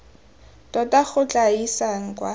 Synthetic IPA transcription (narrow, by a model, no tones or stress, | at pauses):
tɔtaχʊt͡ɬʼaisaŋ̩kwa